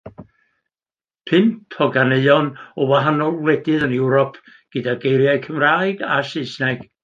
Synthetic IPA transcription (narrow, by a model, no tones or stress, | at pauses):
pʰɪmpʰɔɡaneɨɔnɔwaɦanɔlˠwlɛdɨðənɪwɾɔpʰ | ɡ̥ɨdaɡejɾjajkʰəmraːɨɡasɪsnaɡ̥